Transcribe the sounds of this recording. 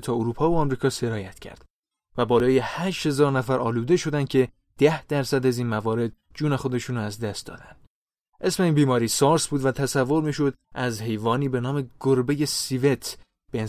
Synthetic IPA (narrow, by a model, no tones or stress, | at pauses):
t̪ʰɒːoɾuːpʰɒːvoɒmɾiːkʰɒːse̞ɾɒːjæt̪cʰæ̰ɾd̪̥ | væbɒːlɒːje̞hæːʃhe̞zɒːɾnæfæɾʔɒ̰ːluːd̪e̞ʃo̞d̪ænd̪̥̚cʲʰe̞ | d̪̥æhd̪̥æɾsæd̪æziːnmævɒːɾe̞d̪̚ | d͡ʒuːne̞xo̞d̪e̞ʃunɾɒæzd̪æst̪d̪ɒ̰ːd̪æ̰nd̪̥ | ʔe̞sme̞iːnbiːmɒːɾiːsɒːɾsbuːd̪væt̪ʰæsævːo̞ɾmiːʃo̞d̪ʔæzhe̞jvɒːniːbe̞nɒːme̞ɡ̥oɾbeje̞sivet̪ʰ | b̥en